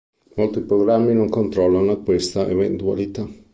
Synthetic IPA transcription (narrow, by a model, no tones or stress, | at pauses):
molt̪ipɾoɡɾamːinoŋkont̪ɾɔlːanoakːwest̪aʔḛvḛnt̪ua̰lit̪a